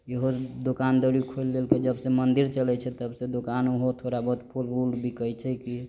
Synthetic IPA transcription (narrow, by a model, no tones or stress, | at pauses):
eɦod̪okand̪əɾikʰolːelked͡ʒəbsemənd̪iɾt͡ʃəlɛt͡ʃʰɛt̪əbsẽd̪okanuɦot̪ʰoɾabəɦut̪pʰulbulbʱikət͡ʃʰɛki